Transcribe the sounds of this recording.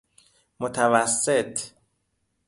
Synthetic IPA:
mot̪ʰævæsːet̪ʰ

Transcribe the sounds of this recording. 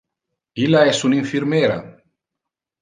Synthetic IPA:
ilaɛsuniɱfiɾmeɾa̰

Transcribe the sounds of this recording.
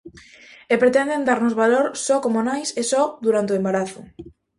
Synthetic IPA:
epɾet̪end̪end̪aɾnozβaloɾsɔkomonajsesɔðuɾant̪eoembaɾaθʊ

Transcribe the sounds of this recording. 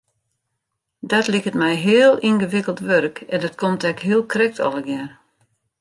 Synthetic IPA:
dɔtlikətmɛjɦɪəlˠinɣəʋɪkəlˠtʋørəkɛndɔtkʰomtɛkɦiəlˠkrɛk̚tʰɔ̰lˠəɡjɛr

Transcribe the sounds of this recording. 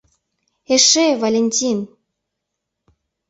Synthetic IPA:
eʃevalʲenʲtʲin

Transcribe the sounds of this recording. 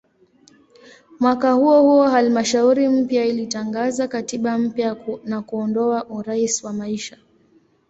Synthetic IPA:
mwakahuɔhuɔhalmaʃauɾim̩pjailitaŋɡazakatiɓam̩pjanakuɔndɔaʔuɾaisiwamaiʃa

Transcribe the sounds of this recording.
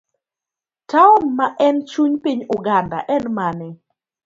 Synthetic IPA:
taɔmːaʔɛnt͡ʃuɲpiɲʊɡanda̰ʔɛnmanɪ

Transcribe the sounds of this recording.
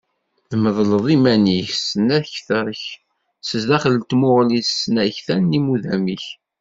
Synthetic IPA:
ðəməðˤləðˤimæniçsənæçθəɾˤç | səzðæχələt̪mʊʁlisənæçθænːimuðæmiç

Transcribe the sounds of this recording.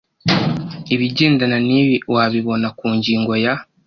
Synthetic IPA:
iβiɟeːndananiβiwaβiβo̞nakuːɲɟiːŋɡo̞ja

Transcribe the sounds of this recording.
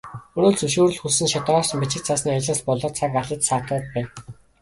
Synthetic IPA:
ɵnoːɮt͡sɵʃuːɾɵ̆ɮxusɘ̆nʃat̪ɔːr̥t͡ɕ̆mpit͡ɕɪ̆k̚t͡sʰasniːat͡ɕɪ̆ɮpɔɮɞ̆t͡sʰakaɮə̆t̪saːt̪ɔːt̪̚pæː

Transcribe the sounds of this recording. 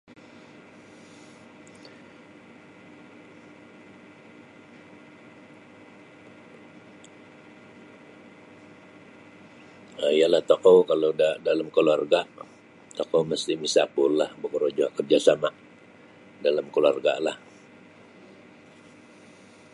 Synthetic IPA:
əijalaht̪okowkalodadalamkəluarɡaʔ | t̪okowməst̪ɪmisapʊllahbəkəɾod͡ʒaʔkərd͡ʒasamaʔ | dalamkəluarɡa̰lah

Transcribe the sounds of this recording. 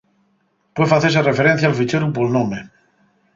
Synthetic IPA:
pwefaθes̬erefeɾen̟θjalfit͡ʃeɾup̬olnõme

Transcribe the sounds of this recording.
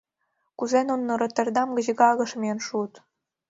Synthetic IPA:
kuzenonːɤ̆ɾɤ̆t̪ə̆rd̪ɑmɡə̆ʑə̆ɡɑɣɤ̆ʃmʲeenʃut̪

